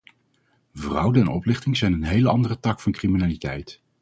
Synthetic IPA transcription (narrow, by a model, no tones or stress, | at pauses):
vrʌwdəɛnɔ̰plɪχtɪŋzɛjnənɦejləɑndərətɑkfɑnkriminaːlitɛjt